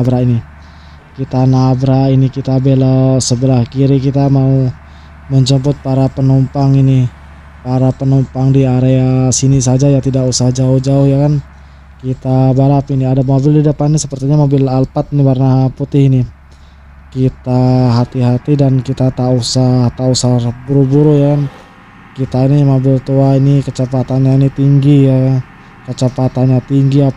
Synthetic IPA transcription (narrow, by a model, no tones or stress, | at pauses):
abɾaini | kit̪anabɾainikit̪abelasəbəlahkiɾikit̪amau | məɲt͡ʃəmpʊt̪̚paɾapənumpaŋini | paɾapənumpaŋdiaɾeasinisad͡ʒajat̪idakusahd͡ʒaʊhd͡ʒaʊhjakan | kit̪abaɾapiniadamobɪldidəpanːisəpərt̪iɲamobɪlalpat̪̚nibarnaɦput̪ɪhini | kit̪aɦat̪iɦat̪idankit̪at̪ausaht̪ausabuɾubuɾujakan | kit̪ainimobɪlt̪uainikət͡ʃəpat̪anɲainit̪iŋɡija | kət͡ʃəpat̪anɲat̪iŋɡia